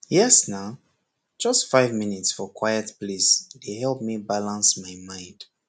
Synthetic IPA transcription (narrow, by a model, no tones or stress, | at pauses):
jɛsna | d͡ʒʌstfaɪvminitsfɔkʰwajətplisdehɛlˠp̚mibalãnsmaɪmãɪ̃nd̥